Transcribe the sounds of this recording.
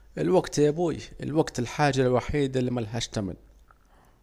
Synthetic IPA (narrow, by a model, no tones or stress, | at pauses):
ʔɪlwaɡt̪jabuːjʔɪ̰lwaɡt̪ɪlħaːʒalwaħiːd̪ɪlmalɦaʃt̪amɪ̰l